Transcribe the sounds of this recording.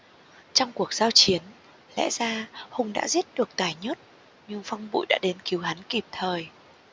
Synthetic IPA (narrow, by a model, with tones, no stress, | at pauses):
t͡ɕɔ˧wŋ͡mku˨˩ək̚z̥aː˧wt͡ɕi˨˦ən | lɛ̰˧˥zaː˧hʊ˨˧˩ŋ͡mɗa̰ː˧˥zi˦˥ət̚ɗɨ˨˩ək̚t̪aː˨˩jɲə˦˥t̚ | ɲɨ˧ŋfa˧wŋ͡mɓṵ˧˨jɗa̰ː˧˥ɗe˨˦nki˨˦wɦa˨˦nki˨˩p̚t̪ʰəː˨˩j